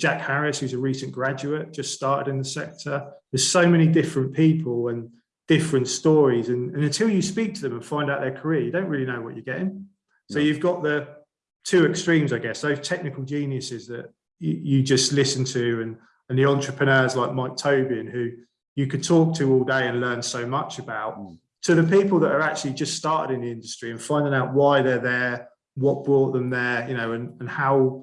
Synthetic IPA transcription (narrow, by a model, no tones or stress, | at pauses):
d̥ʒ̥akhaɹɪshʉzəɹiˑsə̃nɡ̥ɹad͡ʒʉəʔd̥ʒ̥ʌststɑˑtɪɾɪ̃nðəsɛk̚tʰəðəz̥səʊmɛñidɪfɹə̃npʰiˑpʰəlˠə̃n | d̥ɪfɹə̃ntstɔːɹizə̃nə̃nə̃ntʰɪlˠjəspiˑk̚tʰəðə̃mə̃nfãɪ̃ndaʊʔðə˞kʰəɹɪəjɨdə̃ʊ̃nʔɹɪːlinəʊwɒt͡ʃəɡɛtɪ̃ŋ | səʊjʉvɡɒʔðə | tʰʉːɛkstɹ̥ĩːmzaɪɡɛsðəʊz̥tʰɛk̚nɪkəlˠd͡ʒĩnjəsɪzðə̰ʔ | əd͡ʒʌstlɪsə̃ntʰɨə̃n | ə̃nðiɑ̃nt͡ʃɹ̥əpʰɹ̥ənɜːzlaɪk̚maɪk̚tʰəʊbiə̃nhʉ | jəkʰəd̚tʰɔˑk̚tʰəɔːlˠdeɪə̃nlɜ̃ːnsəʊmʌt͡ʃəbaʊʔ | tʰəðəpiˑpəlˠðəʔəɹak̚t͡ʃʉəlˠid͡ʒʌststɑˑtɪ̰ɾɪ̃nðiɪ̃ndəstɹ̥iə̃nfãɪ̃ndɪ̃ŋaʊʔwaɪðəðə | wɒʔ̚b̥ɹɔˑʔðə̃mðəjəñəʊə̃nə̃nhaʊ